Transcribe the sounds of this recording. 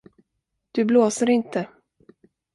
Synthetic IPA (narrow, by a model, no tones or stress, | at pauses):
d̪̥ɵbloːsəɾɪnt̪ʰə